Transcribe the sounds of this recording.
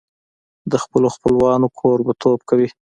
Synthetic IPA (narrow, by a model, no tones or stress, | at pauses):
d̪əxpəloxpəlwɑnokʰoɾbat̪ʰob̚kawi